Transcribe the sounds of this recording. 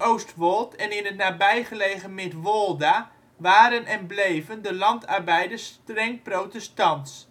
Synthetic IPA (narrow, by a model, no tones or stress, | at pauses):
owstʋɔlˠtʰɛnɪnətnaːbɛjχəleːχəmɪtʋolˠda | ʋaːɾənɛnblejvəndəlɑntarbɛjdəstrɛŋprowtəstɑnts